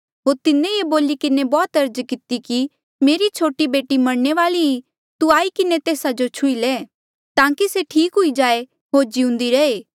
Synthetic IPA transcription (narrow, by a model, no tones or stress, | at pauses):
ɦoːɾt̪ɪnẽeboːlikɪnebɔːt̪ɐɾd͡ʒkɪt̪iki | meːɾit͡ʃʰoːʈibeːʈimɐɽneʋaːlii | t̪uaːikɪnet̪eːsad͡ʒot͡ʃʰʊileː | t̪ãːkiseʈʰiːkɦʊid͡ʒaːe | ɦoːɾd͡ʒiʊ̃nd̪iɾɐeː